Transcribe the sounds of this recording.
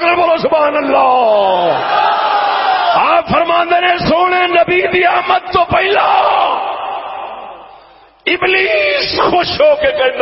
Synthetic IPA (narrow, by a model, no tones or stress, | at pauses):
klboloːsʊbaːnəlːaː | aːfəɾmãːnd̪enẽːsoːɳeːnɐbiːd̪iːaːmət̪ːoːpəɪlaː | ɪbliːsxoːʃoːkeːkɐɾĩn